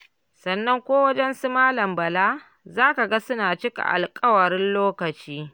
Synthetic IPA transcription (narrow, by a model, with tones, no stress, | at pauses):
sɐ˨nːɐ˦ŋkʷoː˦wɐ˦d͡ʒɛ˦nsu˦maː˦lɐ˨mbɐ˨laː˦ | zaː˦ka˨ɡa˦sʊ˦naː˨t͡ʃɪ˦ka̰˨ʔa̰˨lkʼɐ˦wɐ˨ɾɪ˦nloː˦kɐ˨t͡ʃiː˦